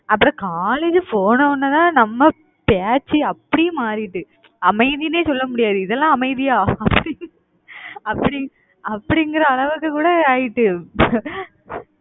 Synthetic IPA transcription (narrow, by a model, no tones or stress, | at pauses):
ɐpːɯɾõːkaːleːd͡ʒɯfoːnɐɐnːɐðãːnɐmːɐ | peːt͡ʃːiɐpːɐɽij̃maːɾɪʈːɯ | ɐmɐɪðineːsɔlːɐmʊɽɪjaːðɯɪðɛlːãːɐmɐɪðɪjaːɐpːɐɽɪ | ɐpːɐɽɪ | ɐpːɐɽɪŋɡɐɾɐːɭɐʋɯkːɯkuːɽɐaːjɪʈːɯ